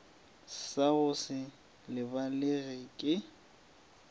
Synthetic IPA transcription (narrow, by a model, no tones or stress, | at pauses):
saɣʊsɪ | lɪbalɪɣɪkʼɪ